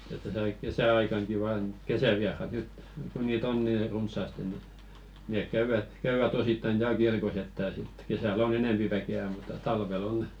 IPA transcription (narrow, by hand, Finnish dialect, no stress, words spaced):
et tæsæ ɑik kesæɑikɑŋki ʋɑːn kesæʋiɑrɑt nyt ku niːt on niː runsˑɑˑste ni neˑk kæyʋæt kæyʋæt ositːɑin tæːl kirkos etːæ sit kesæˑl on eneˑmpi ʋækeæ mutˑɑ tɑlʋel